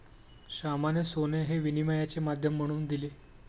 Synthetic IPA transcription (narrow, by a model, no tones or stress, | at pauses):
ɕamanesoneɦeʋinimajat͡semad̪ʱjəm̤ːəɽ̃uːnd̪ile